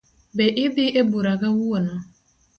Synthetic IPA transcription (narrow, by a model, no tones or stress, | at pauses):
beʔɪbɪʔebuɾaɣawuona